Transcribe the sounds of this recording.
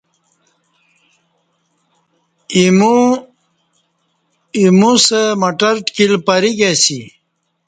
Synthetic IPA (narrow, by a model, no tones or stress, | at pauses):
imu | imusemɐʈəɾʈkilpəɾiɡesi